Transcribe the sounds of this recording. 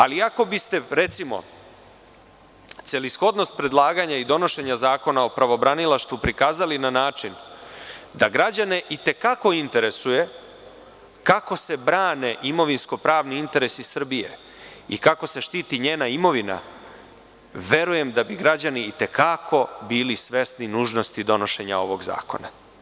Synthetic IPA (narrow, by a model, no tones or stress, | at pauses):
aliako̞bist̪e̞ɾe̞t̪simo̞̰ | t̪selisxo̞d̪no̞st̪̚pɾe̞d̪lˠaːɡaɲaid̪o̞no̞ʃe̞ɲazaːko̞nao̞pɾaʋo̞bɾanilaʃt̪ʋupɾikaːzalinanaːt͡ʃin | d̪aɡɾad͡ʑane̞ʔit̪e̞kako̞int̪e̞ɾe̞suje̞ | kako̞se̞bɾaːne̞ʔimo̞ʋinsko̞pɾaːʋniint̪e̞ɾe̞sisr̩bijḛ | ikako̞se̞ʃt̪iːt̪iɲe̞ːnaimo̞ʋina̰ | ʋe̞ɾuje̞md̪abiɡɾad͡ʑaniːt̪e̞kʰakʰo̞biːlisʋe̞st̪ninuːʒno̞st̪id̪o̞no̞ʃe̞ɲa̰o̞ʋo̞ɡza̰ːko̞̰na